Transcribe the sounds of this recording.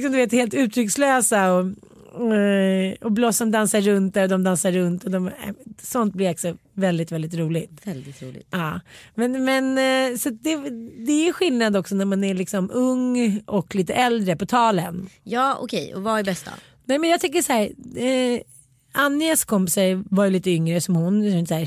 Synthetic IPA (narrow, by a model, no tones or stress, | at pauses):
ksɔmd̪ɵveːt̪heːlt̪ʉ̟ːt̪ʰɾʏksløːsaɔ | ɔblosɔmd̪ansaɾːɵnt̪̚æɾɔd̪ɔmd̪ansaɾːɵnt̪ɔd̪ɔm̰sɔnt̪̚blɪɾak̪sɔvɛld̪ɪt̪vɛld̪ɪt̪ɾuːlɪɡt̪vɛld̪ɪt̪ɾṵːlɪ̰ɑːmɛnmɛnsat̪̚d̪ɛd̪ɛæɾjɵɧɪlnad̪ɔksɔnæɾmanæɭɪksɔmɵŋːʔɔkliːt̪əʔɛld̪ɾəpɔt̪ʰɑːlənjɑːɔ̰kʰɛjɔ̰vaɛbɛst̪a̰ | nɛmɛnjɑɡt̪ʰʏkːəʂahæːɾ | anːɪaskʰɔmpɪsaɾvajʏliːt̪əʏŋɾəsɔmhʊnɛnsæːɾ